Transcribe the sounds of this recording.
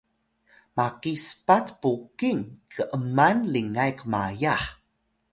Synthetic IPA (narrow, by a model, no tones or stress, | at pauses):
makispatpukiŋkʰəʔəmanliŋajkma̰jaħ